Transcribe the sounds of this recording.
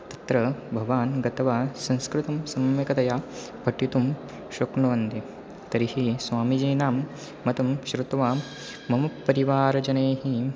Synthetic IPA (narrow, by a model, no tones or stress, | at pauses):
t̪ɐ̥t̪ɾɐbʱɐʋaːnɡɐt̪ɐʋaːsɐ̃nskɾut̪ɐmsɐmʋɐkɐt̪ɐjaː | bʱɐʈːit̪um | ʃukɳɐʋɐnt̪i | t̪ɐɾihisʋaːmid͡ʒɐːnaːmː | ɐt̪ɐmʃɾut̪ʋaː | mɐmɐːɐɾiʋaːɾɐd͡ʒɐneːɦi